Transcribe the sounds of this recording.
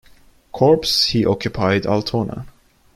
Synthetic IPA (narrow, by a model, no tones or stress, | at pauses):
kʰɔɹpshiʔɔkjʊpʰaɪda̰lˠt̪ʰɔnə̰